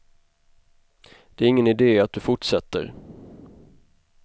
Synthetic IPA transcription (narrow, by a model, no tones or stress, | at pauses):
d̪̥ɛæɾɪŋːənɪd̪eːat̪̚d̪ɵfʊʈʂɛt̪ːə̰ɾ